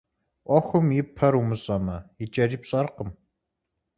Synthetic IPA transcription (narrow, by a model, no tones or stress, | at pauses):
ʔʷɔxʷʊmjɪpʰɐɾumɨɕʼɐmɐjɪt͡ʃʼɐriːpɕʼɐrqəm